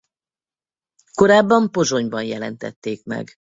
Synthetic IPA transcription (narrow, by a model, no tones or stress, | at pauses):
ko̞ɾaːbːɒmpo̞zo̞ɲbɒnjɛlɛnt̪ɛ̰t̪ːeːkmɛ̰ɡ